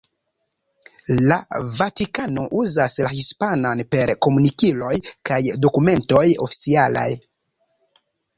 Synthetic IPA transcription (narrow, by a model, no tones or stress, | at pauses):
lavatikano̞ʔuzaslahispananpe̞ɾko̞munikilo̞jkajdo̞kume̞nto̞jo̞̰fi̥t͡siala̰j